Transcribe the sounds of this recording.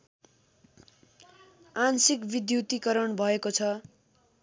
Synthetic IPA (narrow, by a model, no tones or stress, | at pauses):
ansikbid̪jut̪ikʌɾʌɳbʱʌekot͡sʰʌ